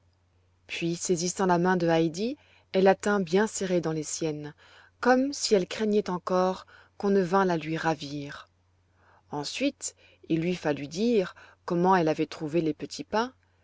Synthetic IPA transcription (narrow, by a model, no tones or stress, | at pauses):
pɥisezisɑ̃lamɛ̃d̪əajd̪i | ɛlat̪ɛ̃bjɛ̃seʁed̪ɑ̃lesjɛn | kɔmsiɛlkχɛɲɛt̪ɑ̃kɔʁ | kɔ̃nəvɛ̃lalɥiʁaviːʁ | ɑ̃sɥit̪ | ilːɥifalyid̪iʁkɔmɑ̃ɛlavɛt̪χuvelepət̪ʰipɛ̃